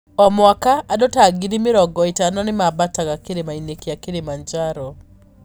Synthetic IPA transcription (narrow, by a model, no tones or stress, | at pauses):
ɔmwakaːdɔtaɡiɾimɪɾɔɡɔɪtanɔnɪmabataɣakeɾemainekeakeɾemaɲd͡ʒaɾɔ